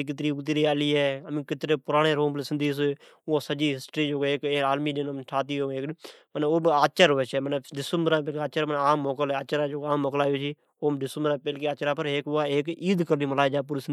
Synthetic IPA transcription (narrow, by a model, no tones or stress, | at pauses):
ik̬ɪt̪ɾiːt̪̬ɾiːaliːɛːəmĩkɪt̪ɾeːpʊɾaːɽ̃eːɾoːmleːsənd̪iːs | ʊ̃səd͡ʒiːɦɪsʈɾiːd͡ʒoːkeːkeːaːlmiːd͡ʒɪnmʈʰaːt̪̬iːɦoːeːkməneːoːbaːt͡ʃəɾoʋeːt͡ʃʰɛːməneːɖɪsəmbɾãːp̬elkaːt͡ʃəɾənːaːmːoːkəlɦɛaːt͡ʃəɾaːd͡ʒoːɡaːmːoːkəlaːjoːt͡ʃiː | oːmɖɪsəmbəɾãːpeːlkeːaːt͡ʃɾaːpəɾɦeːkʊaːeːkiːd̪kəɾniːməlaːd͡ʒaːp̬uːɾis